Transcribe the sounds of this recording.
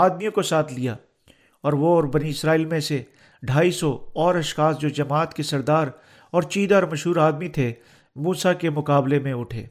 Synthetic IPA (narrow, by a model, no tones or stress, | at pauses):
aːd̪mijõkosaːt̪ʰlija | ɔːɾʋoɔːɾbɐniɪsɾaːiːlmẽse | ɖʱaːisɔɔːɾɐʃxaːsd͡ʒoːd͡ʒɐmaːt̪kesɐɾd̪aːɾ | ɔːɾt͡ʃiːd̪aɔːɾmɐʃɦuːɾaːd̪mit̪ʰe | muːsakemʊkaːblemẽʊʈʰḛː